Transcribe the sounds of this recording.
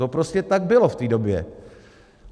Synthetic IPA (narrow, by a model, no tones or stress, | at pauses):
o̞pɾo̞scɛt̪aɡ̚bɪlo̞ft̪iːdo̞bjɛ̰